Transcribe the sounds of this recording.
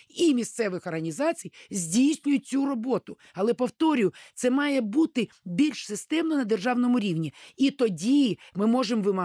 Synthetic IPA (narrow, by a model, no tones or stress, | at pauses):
imʲist̪sɛʋɪxɔrɦɐnʲizɑt͡sʲijzʲdʲijsʲnʲʊjʊt̚ʲt͡sʲuɾɔbɔt̪ʊ | ɐlˠɛpɔwt̪ɔɾʲʊjʊt̪sɛmɑjɛbut̪ɪ | bʲilʲʃsɪst̪ɛmnɔnɐd̪erʒɑwnɔmʊɾʲiwnʲiit̪ɔdʲimɪmɔʒemʋɪmɐ